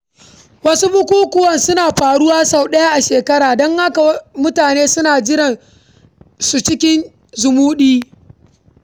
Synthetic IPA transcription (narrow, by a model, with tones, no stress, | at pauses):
wɐ˦su˦bʊ˦kʷuː˦kʷʊ˦wɐ˨nsʊ˦naː˨ɸaː˨ɽʊ˦waː˦sa˨wɗɐ˦ja˦ʔa˨ʃeː˨kɐ˦ɽaː˨dɔ˦ŋha˦ka˨wmʊ˦taː˨neː˦sʊ˦naː˨d͡ʒɪ˦ɾɐ˨n | su˨t͡ʃɪ˦kʲɪ˦n | zʊ˨muː˦ɗiː˦